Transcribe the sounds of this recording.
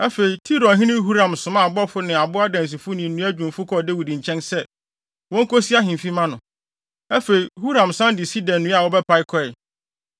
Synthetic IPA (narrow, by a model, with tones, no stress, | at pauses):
æ˦fe˨i˨tʰi˦ɾɔ̃˨nɦĩ˦nɪ̃˦ɦu˦ɾã˨msʊ̃˨mã˦˨bɔ˦fʊ˦nɪ̃˨a˨bʊ˦a˦dã˨n˨s̬i˨fʊ˦nɪ̃˨nːũ˦æ˦d͡ʑᶣũ˨nfʊ˦kʰɔ˦˨de˦wi˨di˨ɲ̩˨t͡ɕʰɛ̃˦nsɛ˦ | wɔ̃˦ŋ˦kʰo˦si˦a˦ɦɪ̃˨m˨fi˦mã˦nʊ̃˨ | æ˦fe˨i˨hu˦ɾã˨msã˦ndɪ˨si˦dã˨nː˨ũ˦a˨wɔ˦bɛ˦pa˨˦ɪ˦kʰɔ˦ɛ˨